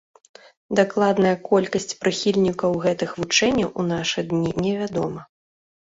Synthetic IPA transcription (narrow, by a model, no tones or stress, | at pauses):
d̪aklˠad̪nɐjɐkɔlʲkɐsʲt͡sʲpɾɨxʲilʲnʲikɐwɣɛt̪ɨxvut͡ʂɛnʲːɐwʔunaʂɨd̪nʲinʲɛvʲad̪ɔmɐ